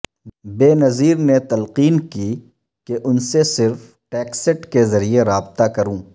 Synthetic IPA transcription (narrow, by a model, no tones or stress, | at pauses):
beːnɐziːɾnet̪ɐlqiːnki | keʔʊnsesɪɾf | ʈɛːksɪʈkezɐɾieɾaːbt̪akɐɾũː